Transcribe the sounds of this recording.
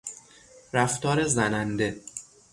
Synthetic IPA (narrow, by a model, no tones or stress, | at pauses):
ɾæft̪ɒːɾe̞zænænd̪e